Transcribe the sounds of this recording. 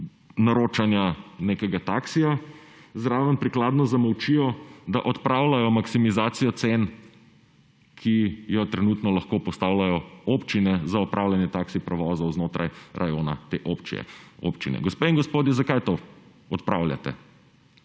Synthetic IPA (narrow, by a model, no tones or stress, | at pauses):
naɾoːt͡ʃanjaneːkɛɡat̪aːksija | zɾaːʋəmpɾiklaːd̪nɔzamɔwt͡ʃijɔd̪aʔɔt̪pɾaːwlajɔmaksimizaːt̪sijɔt̪sen | kʰijɔt̪ɾɛnuːt̪nɔlɐxkoːpɔst̪aːwlajɔoːpt͡ʃinɛzaɔpɾʔaːwlʲanjɛt̪aksipɾɛʋɔːzɐwznoːt̪ɾʔajɾʔajoːna̰t̪eʔopt͡ʃḭɛ̰o̰pt͡ʃḭnɛ̰ɡɔspeinɡɔspoːd̪jɛzakajt̪o | ɔt̪pɾa̰wlʲja̰t̪ɛ̰